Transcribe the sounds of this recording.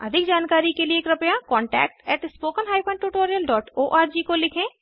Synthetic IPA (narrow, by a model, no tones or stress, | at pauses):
ɐ̰d̪ʱɪkd͡ʒaːnkaːɾikelieːkɾɐpjakɔ̃ːɳʈɛ̰ːk̚ʈɛːʈspoːkənɦaːjpʰə̃ɳɖʈuːʈoːɾijəlɖɔːʈoːʔaːɾd͡ʒiːkolɪkʰẽː